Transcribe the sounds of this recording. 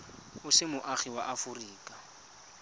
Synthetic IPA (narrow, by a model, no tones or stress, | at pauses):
ʊsɪmʊʔaχiwaʔafʊriːkʼḁ